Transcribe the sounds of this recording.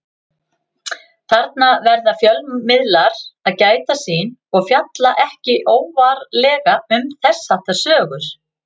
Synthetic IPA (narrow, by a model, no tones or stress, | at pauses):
θaɾt̪̚navɛɾðafjœlmɪðlaɾaðcaːjt̪asiːnɔɣfjat̪laʔɛhcɪʔoːwvaɾlɛːɣaʏmθɛsːḁt̪ḁsœːɣʏɾ̥